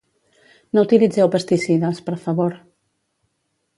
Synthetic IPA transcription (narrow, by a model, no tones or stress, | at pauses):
nout̪ilid͡zɛwpəst̪isiðəspəɾfaβoɾ